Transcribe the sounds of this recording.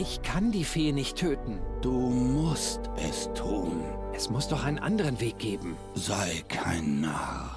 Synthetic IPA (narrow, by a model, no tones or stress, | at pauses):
ʔɪçkʰandiːfeːnɪçtʰːøːtn̩d̥uːmʊstʔɛ̰stʰuːnʔɛsmʊsd̥ɔχʔaɪnənʔa̰ndəʁənveːk̚ɡ̥eːbm̩ | zaɪkʰaɪnːaːχ